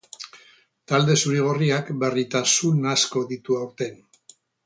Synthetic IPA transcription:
t̪ald̪e̞suɾiɣ̞oriakbe̞rit̪asunasko̞ðit̪uawɾt̪e̞n

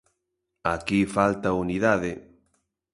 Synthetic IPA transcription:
akifalt̪auniðaðɪ

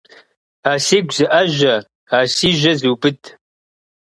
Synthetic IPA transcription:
aːsiːɡʷzɨʔɐʒɐ | aːsiːʒɐzuːbɨtʰ

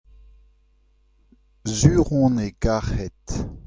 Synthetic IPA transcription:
zyːʁɔ̃neɡaʁhɛt̪

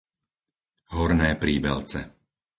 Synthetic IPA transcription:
ɦɔɾnɛːpɾiːbɛ̰lt͡sɛ̰

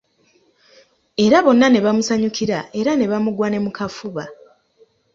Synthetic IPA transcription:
e̞ɾaβo̞nːane̞βamusaɲukʰiɾaʔe̞ɾane̞βamuɡwane̞mukʰafuβa

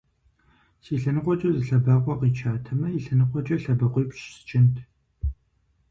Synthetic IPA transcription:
siːɬɐnɨqʷɔt͡ʃʼɐzɨɬɐbaːqʷʼɔqiːt͡ʃʰaːtʰɐmɐjiɬɐnɨqʷʼɔt͡ʃʼɐɬɐbɐqʷiːpʃsɨ̥t͡ʃʼɪntʰ

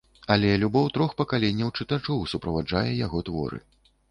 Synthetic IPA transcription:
alʲɛlʲubɔwt̪ɾɔxpɐkalʲɛnʲːɐwt͡ʂɨt̪at͡ʂɔwsupɾɐvad͡ʐajɛjaɣɔt̪vɔ̰ɾɨ̰

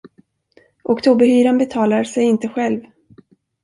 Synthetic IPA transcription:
ʔɔkt̪ʰuːbəɾhyːɾanbɛt̪ʰɑːlaɾsɛjɪnt̪əɧɛlv

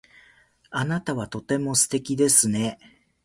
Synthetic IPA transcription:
anat̪aβat̪o̞t̪e̞mo̞sɨ̥t̪e̞kʲid̪e̞sɨne̞

